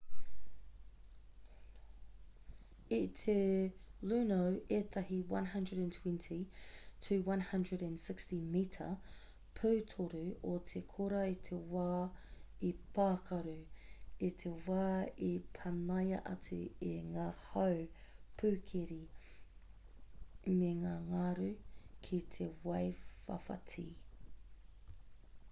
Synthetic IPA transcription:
itʰelʉːnowʔet̪ʰɐɦiwɐ̰̃nɦɐ̃ndɹədæ̃ntʰwɛ̃ntʰitʰʉːwɐ̃nhɐ̃ndɹədæ̃nsɪkstimiːtʰɐ̰ | pʰʉːtʰoɾʉot̪ʰekʰoɾɐitʰewaːipʰaːkʰɐɾʉit̪ʰewaːipʰɐnɐjɐ̰ʔɐt͡sʉ̰eŋaːhɐwpʰʉːkʰeɾi | meŋaːŋaɾʉkʰit̪ʰewɐjfɐ̰fɐ̰tʰḭː

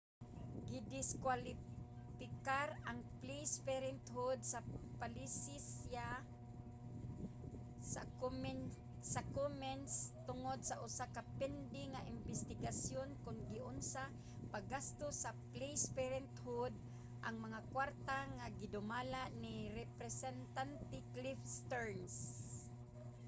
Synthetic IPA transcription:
ɡɪd̪ɪskwali | fɪkaɾaŋplejspɛɾɛnt̪ɦud̪̚sapalisɪsja | sa̰m | sakomɛnst̪ʊŋod̪̚saʔʊsakapɛnd̪ɪŋaʔɪmbɪst̪ɪɡasjonkʊnɡɪʔʊnsa | paɡast̪ʊsaplejspɛɾɛnt̪hʊd̪̚ | ʔaŋmaŋakwaɾt̪aŋaɡɪd̪ʊmalaʔnɪɾɛpɾɛsɛnt̪ant̪ɪklifst̪ɛɹns

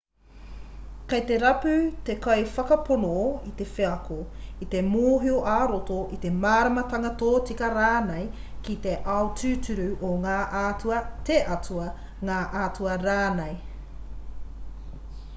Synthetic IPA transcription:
kɐjt̪eɾɐpʉt̪ekɐjfɐkɐponoit̪e̞feɐkoit̪e̞moːɦioʔaːɾotoʔit̪e̞maːɾɐmɐt̪ɐŋɐt̪oːt͡sikɐɾaːnej | kit̪e̞ʔɐotʉːtʉɾʉʔoŋaːʔaːtuɐt̪eʔɐtʰuɐ | ŋaːʔaːt͡suɐɾaːnej

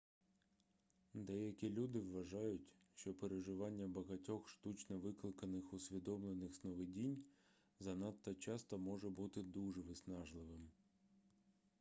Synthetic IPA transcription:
d̪ɛjɐkʲilʲud̪ɪʋːɐʒɑjʊtʲʃt͡ʃɔpeɾeʒɪʋɑnʲːɐbɐɣɐtʲɔxʃt̪ut͡ʃnɔʋɪklˠɪkɐnɪxʊsʲʋʲid̪ɔmlˠenɪxsnɔʋɪdʲinʲ | zɐnɑt̪ːɐt͡ʃɑst̪ɔmɔʒɛbut̪ɪd̪uʒɛʋɪsnɑʒlˠɪʋɪm

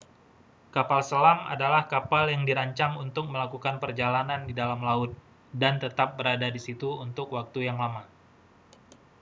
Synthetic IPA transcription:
kapalsəlama̰dalahkapaljaŋdiɾaɲt͡ʃaŋunt̪ʊk̚məlakukanpərd͡ʒalanandidalamlaʊt̪̚ | dant̪ət̪ap̚bəɾadadisit̪uunt̪ʊkwak̚t̪ujaŋlama

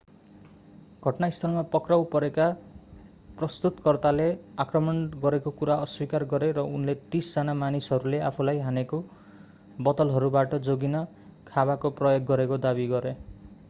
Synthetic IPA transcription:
ɡʱʌʈnaist̪ʰʌlmapʌkrawpʌɾeka | prʌst̪ut̪kʌrt̪aleakrʌmʌnɡʌɾekokuɾaʌswikarɡʌɾeɾʌunlet̪isd͡zanamanisɦʌɾuleapʰulajɦaneko | bʌt̪ʌlɦʌɾubaʈʌd͡zoɡinʌ | kʰabakoprʌjoɡːʌɾekod̪abiɡʌɾe

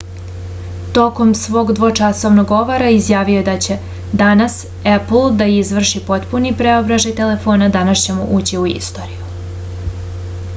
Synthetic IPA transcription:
t̪o̞ko̞msʋo̞ːɡd̪ʋo̞t͡ʂaso̞ʋnoɡo̞ʋoɾaizjaːʋijoed̪at͡ɕe̞ | d̪anas | epl̩ˠd̪aizʋr̩ʃipo̞t̪punipɾeo̞bɾaʒajt̪e̞le̞fo̞ːnad̪anaʃt͡ɕe̞mṵʔuːt͡ɕiuḭst̪o̞ɾiju

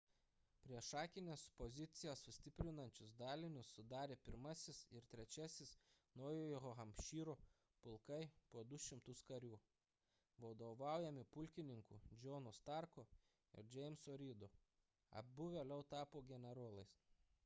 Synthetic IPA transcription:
pʲɾʲiɛʃɑːkʲɪnʲeːspɔzʲɪt̪sʲɪjɛssʊsʲt̪ʲɪpʲɾʲɪnɐnʲt͡ʃʲʊsd̪ɑːlʲɪnʲʊsːʊd̪ɑːɾʲeːpʲɪɾmɐsʲɪsɪɾt̪ʲɾʲɛt͡ʃʲɛsʲɪsnɔʊjojoɦɐmʲpʲʃʲiːɾo | pʊlˠkɐɪpuɔd̪ʊʃʲɪmt̪ʊskɐɾʲuː | ʋɐd̪oʋɑˑʊjɛmʲɪpʊlʲkʲɪnʲɪŋkuːd͡ʒʲɔːnʊst̪ɑˑɾko | ɪ̰ɾd͡ʒʲɛɪmsoːɾʲiːd̪o | ɐ̰bbʊʋʲeːlʲɛʊt̪ɑːpoːɡʲɛnʲɛɾoːlˠɐɪs

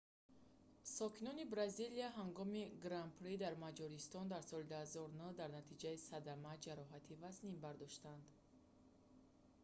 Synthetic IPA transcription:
sɔkʰinɔnibɾaziliaɦaŋɡɔmiɡɾampʰɾid̪aɾmad͡ʒɔɾist̪ɔnd̪aɾsɔlid̪uhazɔɾnəd̪aɾnat̪ʰid͡ʒaisad̪amad͡ʒaɾɔɦat̪ʰivaznimbaɾd̪ɔʃt̪and̪

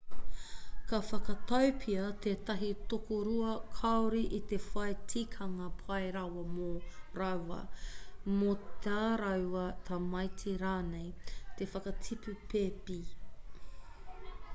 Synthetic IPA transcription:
kɐfɐkɐt̪ɐwpʰiɐt̪ʰeːt̪ɐɦitokoɾuɐkʰɐwɾiʔit̪efɐjtʰikʰɐŋɐpʰɐejɾɐwɐmoɾɐwɐ̰mot̪eaɾɐwɐt̪ʰɐmɐjtʰiɾaːnejt̪efɐkɐtʰipʉpʰeːpi

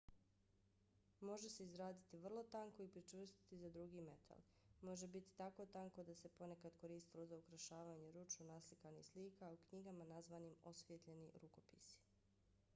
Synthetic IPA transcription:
mo̞ʒe̞seizɾaːd̪it̪iʋr̩lˠo̞t̪aŋko̞ipɾit͡ʃʋr̩st̪i̥t̪izad̪ɾuɡiːme̞t̪ʰa̰l | mo̞ʒebit̪i̥t̪ako̞t̪aŋko̞d̪ase̞po̞ne̞kad̪ko̞ɾiːst̪ilo̞zaukɾaʃaːʋaɲeɾut͡ʃunaslikanḭxsliːkaukɲiɡamanazʋanimo̞sʋijet̪ʎe̞niɾuko̞pḭsi̥

